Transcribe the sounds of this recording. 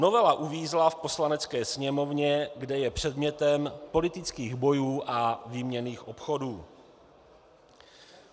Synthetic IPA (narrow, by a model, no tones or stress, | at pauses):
no̞vɛlaʔuviːzlafpo̞slanɛt͡skɛːsɲɛmo̞vɲɛɡdɛjɛpr̝̥ɛdmɲɛt̪ɛmpo̞lɪt̪ɪt͡skiːɣbo̞juːʔavimɲɛniːxʔo̞pxo̞duː